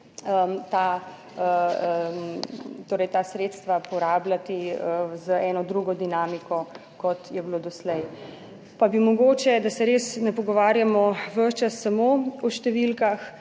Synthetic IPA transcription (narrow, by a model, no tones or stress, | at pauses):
ət̪a | əmt̪oːɾɛjt̪aːsɾet̪st̪ʋapɔɾaːblat̪iəzəɛnɔd̪ɾuɡɔd̪inaːmikɔ | kɔt̪jɛblod̪ɔslɛj | pabimɔɡoːt͡ʃɛd̪asɛɾesnɛpɔɡɔʋaːɾjamɔʋəʃt͡ʃasːamoɔʃt̪ɛʋilkax